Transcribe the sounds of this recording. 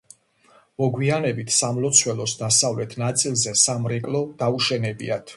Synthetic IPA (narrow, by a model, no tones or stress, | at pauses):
mɔɡwianɛbit̪ʰsamlɔt̪sʰwɛlɔsd̪asavlɛt̪ʰnat̪sʼilˠzɛsamɾɛkʼlˠɔd̪̥auʃɛnɛbḭat̪ʰ